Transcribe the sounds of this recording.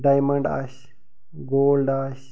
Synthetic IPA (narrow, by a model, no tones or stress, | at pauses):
ɖaːjmɐɳɖa̰ːɕ | ɡoːlɖaːɕ